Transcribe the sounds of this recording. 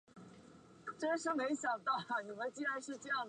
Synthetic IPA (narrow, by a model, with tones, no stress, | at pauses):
ʈ͡ʂə˥ʂɤ˥me˧˥ɪɕjɑ˨˩ŋt̪ɑ˥˩ʊ˩ni˨˩mə˧˥nt͡ɕi˥a˥˧ɪʂɻ̩˥˧ʈ͡ʂjɑ˥˩ŋd̪